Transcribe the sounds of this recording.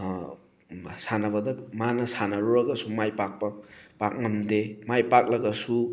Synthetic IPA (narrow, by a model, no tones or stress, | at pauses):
sanabʌd̪ɐkmanɐsʰanaɾoɾʌɡɐsʰumajpak̚pɐpak̚nʌmd̪emajpak̚laɡɐsʰu